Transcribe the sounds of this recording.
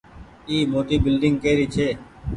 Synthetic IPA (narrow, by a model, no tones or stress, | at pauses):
iːmoːʈiːbɪlɖɪŋɡkeːɾiːt͡ʃʰeː